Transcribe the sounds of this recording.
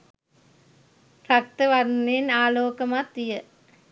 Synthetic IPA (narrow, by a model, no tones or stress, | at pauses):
prak̚t̪əʋaɾnenaːloːkəmat̪ːijə